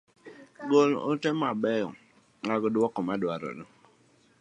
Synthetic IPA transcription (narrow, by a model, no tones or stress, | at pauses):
ɡolo̰tɛmabɛjɔ̰ | ŋaɡɔdwɔkɔmadwaɾɔ̰dɔ